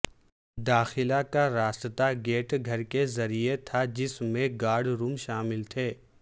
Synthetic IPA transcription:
d̪aːxɪlakaɾaːst̪ət̪aɡeːʈɡʱɐɾkezɐɾiet̪ʰad͡ʒɪsmẽɡaːɾɖɾuːmʃaːmɪlt̪ʰeː

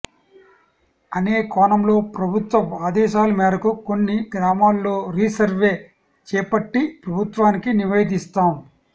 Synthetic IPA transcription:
ɐneːkaːɳɐmlo̞ːpɾɐbʱut̪ʋɐmaːd̪ɛːʃaːlɐmɛːɾɐkuko̞nːiɡɾaːmaːlːo̞ːɾiːsɐɾʋeː | t͡ʃɛːpɐʈːipɾɐbʱut̪ʋaːnikiniʋɐjd̪ist̪aːm

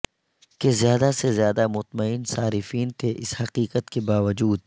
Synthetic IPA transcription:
kezjaːd̪asezjaːd̪amʊt̪məɪnsaːɾɪfiːnt̪ʰeʔɪshɐqiːqət̪kebaːʋəd͡ʒuːd̪̚

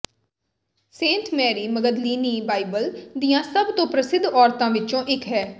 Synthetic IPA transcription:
sẽːnʈmɛːɾiːməɡəd̪liːniːbaːɪbəld̪ijãːsəbt̪õːpɾəsɪd̪ʱɔːɾt̪ãːʋɪt͡ʃõːʔɪkɦɛː

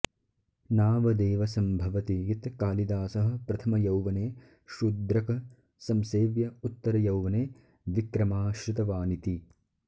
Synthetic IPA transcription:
naːʋɐd̪eːʋɐsɐmbʱɐʋɐt̪ijit̪kaːlid̪aːsɐɦɐ̆pɾɐt̪ʰɐmɐjɐwʋɐneː | ʃud̪ɾɐkɐ | sɐmseːʋjɐut̪ːɐɾɐjɐwʋɐneː | ʋikɾɐmaːʃɾɪt̪ɐʋaːnit̪i

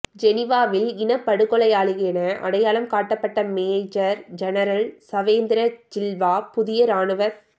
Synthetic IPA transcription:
d͡ʒɛnɪʋaːʋɪlɪnɐpːɐɽɯkːɔɭɐjaːɭɯɣɐɛnɐʔɐ̰ɽɐjaːlɐmkaːʈːɐpːɐʈːɐmeːd͡ʒɐɾd͡ʒɛnɐɾɐlsɐʋeːnd̪ɪɾɐd͡ʒɪlʋaːpʊðɪjɐɾaːɳɯʋɐɾ

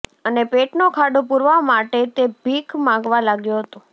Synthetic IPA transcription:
ənepeʈnokʰaɖopuɾʋamaʈet̪ebʱikmãŋɡʋalaɡjũɦət̪õ

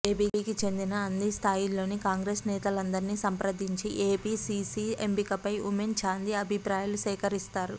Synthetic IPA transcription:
eːpiːiːkit͡ʃe̞nd̪inɐːnːist̪ʰaːjilo̞ːnikaːŋɡɾeːsnɛːt̪ɐlɐnd̪ɐɾiniːsɐmpɾɐd̪iɲt͡ʃiʔeːpiːsiiembikɐpɐjument͡ʃaːnd̪iɐbʱipɾaːjɐlusɛːkɐɾist̪aːɾu

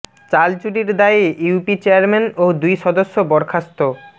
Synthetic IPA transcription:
t͡ɕalt͡ɕuɖiɾd̪aiuwpit͡ɕeaɾmenod̪ujʃɔd̪oʃːobɔɾkʰast̪o

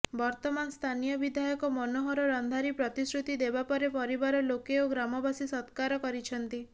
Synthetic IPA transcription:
bɔɾt̪ɔmanst̪ʰanijɔbid̪ʱajɔkɔmɔnɔɦɔɾɔɾɔnd̪ʱaɾipɾɔt̪isɾut̪id̪ebapɔɾepɔɾibaɾɔlokeoɡɾamɔbasisɔt̪kaɾɔkɔɾit͡ʃʰɔnt̪i

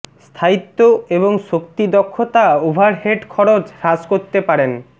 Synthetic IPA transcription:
st̪ʰait̪ːoeβoŋʃokt̪id̪ɔkʰːot̪aubʱaɾɦeʈkʰɔɾot͡ɕhad͡ʑkoɾt̪epaɾen

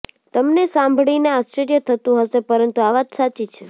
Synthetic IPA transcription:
t̪əmnesãmbʱɭineast͡ʃeɾjət̪ʰət̪ũɦəʃepəɾənt̪uaʋat̪sat͡ʃit͡ʃʰe

